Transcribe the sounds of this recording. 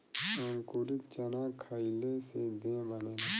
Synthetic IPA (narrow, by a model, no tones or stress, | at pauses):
əŋkuɾɪt̪̚t͡ʃənaːkʰaːilesed̪ẽbəneː